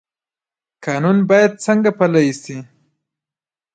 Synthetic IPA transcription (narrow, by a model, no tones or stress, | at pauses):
kɑnunbɑjad̪̚t͡səŋɡapalajisi